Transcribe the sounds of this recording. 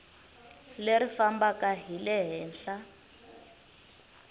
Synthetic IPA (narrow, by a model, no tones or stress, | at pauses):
leɾifambakaɦilɛɦɛːnɬa